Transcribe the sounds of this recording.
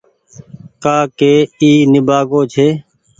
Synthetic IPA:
kaːkeːiːnɪbaːɡoːt͡ʃʰeː

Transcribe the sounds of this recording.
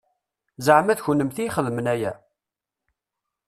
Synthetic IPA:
zəʕmæðçunːəmθiχəðmənæjæ̰

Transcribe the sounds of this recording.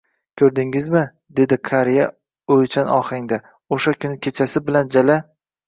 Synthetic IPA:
kʲʰɵɾd̪ɪŋɪzmɪ | d̪e̞d̪ɪqʰaɾija | ojt͡ʃʰanɒ̰χɪŋd̪a | oʃakʲʰʊnɪkʲʰe̞t͡ʃʰasɪbɪland͡ʒala

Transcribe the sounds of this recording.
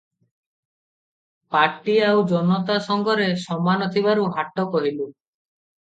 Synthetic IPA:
paɾʈiawd͡ʒɔnɔt̪asɔŋɡʱɔɾesɔmanɔt̪ʰiβaɾuɦaʈːɔkɔɦilu

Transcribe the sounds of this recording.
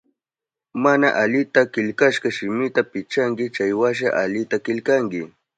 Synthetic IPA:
manaʔaʎɪt̪akɪʎkaʃɢɑʃɪmɪt̪apɪt͡ʃaŋkɪt͡ʃajwaʃ̬a̰ʔaʎɪt̪akɪʎkaŋkɪ

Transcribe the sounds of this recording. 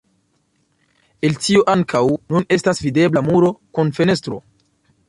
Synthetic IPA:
e̞ltioʔaŋkʰawnune̞stasvide̞blamuɾo̞kunfe̞ne̞stɾo̞̰

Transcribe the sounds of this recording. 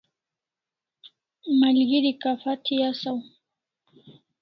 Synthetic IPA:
malɡiɾikafatʰijasaw

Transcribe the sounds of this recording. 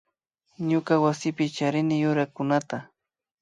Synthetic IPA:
ɲʊkawasɪpɪt͡ʃaɾɪnɪjʊɾakʊnat̪a

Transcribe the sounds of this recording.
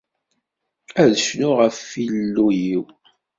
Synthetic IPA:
æðəʃnʊʁəfːilːujiw

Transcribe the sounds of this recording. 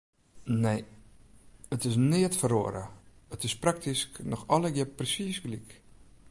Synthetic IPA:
nej | ətɪsnɪətfəroəɾə̰ | ətɪsprak̚tisknɔxɔləɡjəprəsisɡlik

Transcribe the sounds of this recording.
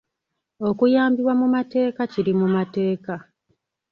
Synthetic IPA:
o̞kujaːmbiwamumate̞ːkaciɾimumate̞ːka

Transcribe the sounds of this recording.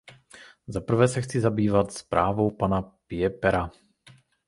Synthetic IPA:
zapr̩vɛsɛxt͡sizabiːvat̪spɾaːvowpanapɪɛpɛɾa

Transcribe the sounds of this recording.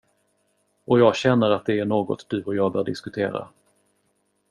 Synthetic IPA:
ʔɔjɑːɡɕɛnːəɾat̪̚d̪ɛæɳoːɡɔ̰t̪d̪̥ɵɔjɑːɡ̚bœːɖɪ̰skɵt̪ʰḛːɾa̰

